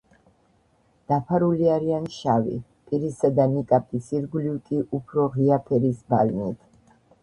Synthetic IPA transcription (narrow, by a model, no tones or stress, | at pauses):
d̪̥apʰaɾuliaɾianʃavḭ | pʼiɾisad̪amikʼapʼisiɾɡlivkʼiʔupʰɾɔʁiapʰɛɾisbalnit̪ʰ